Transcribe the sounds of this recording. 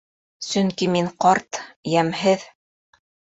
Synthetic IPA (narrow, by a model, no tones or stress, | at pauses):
sɵŋkimiŋqɑɾt̪jæmhɘð